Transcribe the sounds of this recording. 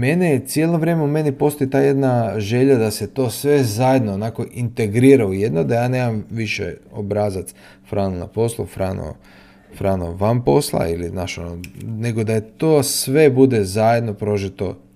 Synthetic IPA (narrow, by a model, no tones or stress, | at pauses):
me̞nesjeloʋɾje̞ːmeumenipo̞st̪oit̪aːje̞d̪naʒe̞ʎad̪ase̞t̪o̞ːsʋe̞zajed̪noːnaːko̞ʔint̪e̞ɡɾiːɾaujed̪nod̪ajaːne̞ːmamʋiʃḛobɾazat̪s | fɾaːnona̰po̞slˠṵfɾano̰ | fɾaːno̰ʋampo̞slˠa̰iliznaːʃonone̞ɡo̞d̪at̪oːsʋe̞bud̪e̞zajed̪no̞pɾo̞ʒit̪o